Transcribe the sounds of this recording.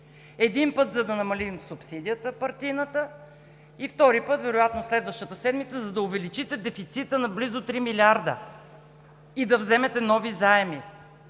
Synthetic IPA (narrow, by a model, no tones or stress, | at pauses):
ɛd̪inpɤt̪zɐd̪ɐnɐmɐlimsupsid̪ijət̪əpɐɾt̪inət̪ə | ift̪ɔɾipɤt̪vɛɾʊjat̪noslɛd̪vəʃt̪ət̪əsɛd̪mit̪səzɐd̪ɐʊvɛlit͡ʃit̪ɛd̪ɛfit̪sit̪ənɐblizʊt̪ɾimilʲiaɾd̪ə̰ | id̪ɐvzɛmɛt̪ɛnɔvizaɛmi